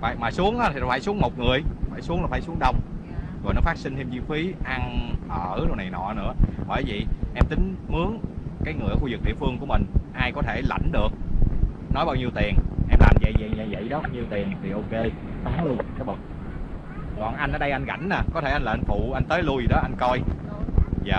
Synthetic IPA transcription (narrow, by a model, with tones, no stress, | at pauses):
fa̰ː˨˩jmaː˨˩su˨˦əŋʔaː˨˦˥i˨˩faː˧˩jsu˨˦əŋmo˨˩t̚ŋɨ˨˩əjfaː˧˩jsu˨˦əŋlaː˨˩faː˧˩jsu˨˦əŋɗə˧wŋ͡m | zɔ̰˨˩jnɔ˨˦faː˦˥k̚si˧ŋt̪ʰe˧mzi˧fi˨˦ʔa˧ŋʔəː˧˩ɗo˧wna˨˩jnɔ̰˧˨nɨ̰˧˥əhɔ̰˨˧˩jvḭ˧˨ʔɛ˧mt̪ï˨˦ŋ̟mɨ˨˦əŋkaː˨˦jŋɨ˨˩ə˨˩xu˧zɨ˨˩k̚ɗḭ˧˨əfɨ˧əŋku˧˩əmï˨˩ŋ̟ʔaː˧jkɔ˨˦t̪ʰe˧˩la̰˧˩jŋ̟ɗɨ˨˩ək̚nɔ˨˦jɓaː˧wɲi˧əwt̪i˨˩əŋʔɛ˧mla̰ː˨˩mzə̰˧˨jz̰jɲə̰˧˨jvə̰˧˨jɗɔ˨˦˧ɲi˧əwt̪i˨˩əŋt̪ʰi˨˩ʔo˧ke˧ | taː˨˦ŋlu˧əŋʰa˨˦ɓə˨˩k͡p̚ | kɔː˨˩nʔa˧jŋ̟ʔɔː˨˦ɗə˧jʔa˧ŋɣa̰˧˩jŋ̟naː˨˩kɔ˨˦t̪ʰe˧˩ʔa˧jnlaː˨˧˨nt̪ṵ˧˨ʔa˧ŋ̟t̪əː˨˦jlu˧jzi˨˩ɗɔ˨˦ʔa˧jŋko˧j | za̰ː˨